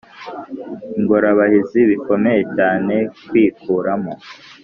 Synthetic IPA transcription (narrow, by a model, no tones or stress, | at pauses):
iŋɡoɾaβahiziβiko̞me̞je̞t͡ʃaːne̞kwiːkuːɾamo